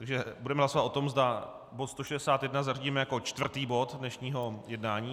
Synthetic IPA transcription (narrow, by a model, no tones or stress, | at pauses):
t̪aɡʒɛbudɛmɛɦlaso̞vat̪o̞t̪o̞mzda | bo̞t̪st̪o̞ʃɛdɛsaːt̪jɛdnazariɟiːmɛjakot͡ʃt̪vr̩t̪iːbo̞t̪dnɛʃɲiːɦo̞jɛdnaːɲiː